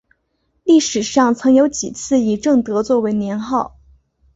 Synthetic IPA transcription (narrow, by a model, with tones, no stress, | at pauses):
li˥˩ʂɻ̩˨˩ʂɑ˥˩ŋt͡sʰɤ˧˥ŋjo˧˥ʊt͡ɕi˨˩t͡sʰɹ̩˥˩i˨˩ʈ͡ʂɤ˥˩ŋt̪ɤ˧˥t͡swɔ˥˩we˧˥ɪnjɛ˧˥nxɑ˥˩ʊ